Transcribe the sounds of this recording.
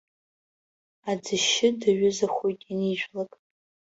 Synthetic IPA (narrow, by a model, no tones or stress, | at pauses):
ad͡zɨʃɪdaɥʊzaχʷojtʼiniʒʷᶣlakʼ